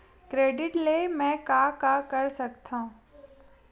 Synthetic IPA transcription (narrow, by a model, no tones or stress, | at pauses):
kɾeːɖɪʈlemɛ̃kakakɐɾsɐkt̪ʰã